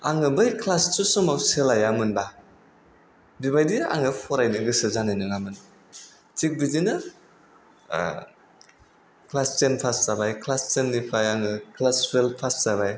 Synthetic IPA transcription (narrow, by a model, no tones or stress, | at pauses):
a̰ŋɯbɯjkʰlastusɔmawselajamɯnba | biβajdia̰ŋɯpʰɔɾajnɯɡɯsɯzanajnɯŋamɯn | tik̚bizinɯ | klast͡ʃenpʰastabajkʰlast͡ʃenːipʰajaŋɯkʰlasɾelpʰastaβaj